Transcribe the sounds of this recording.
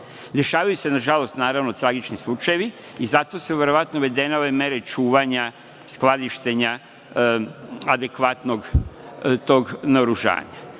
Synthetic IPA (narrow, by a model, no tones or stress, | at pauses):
d̪e̞ʃaːʋajuse̞naʒalo̞st̪naːɾaʋnot̪ɾaɡit͡ʃnislˠut͡ʃajeʋi | izat̪o̞suʋe̞ɾoʋat̪noʋe̞d̪eneo̞ʋe̞me̞ɾe̞t͡ʃuːʋaɲa | sklˠad̪iʃt̪e̞ɲa | ad̪e̞kʋat̪no̞ɡ | t̪o̞ɡnaoɾuʒa̰ːɲa